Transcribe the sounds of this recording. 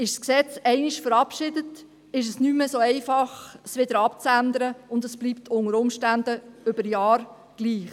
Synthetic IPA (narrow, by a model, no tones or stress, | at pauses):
ɪʃsksɛt͡sɛɪnɪʃfəɾɑpʃɪdət | ɪʃ̬əsnyːməsoːɛɪfɑχsʋɪd̥əɾɑpt͡sænd̪əɾəʊndəsb̥liːptʰʊŋəɾʊmʃtændəʏb̥əɾjɑːɾ | ɡ̥liːχ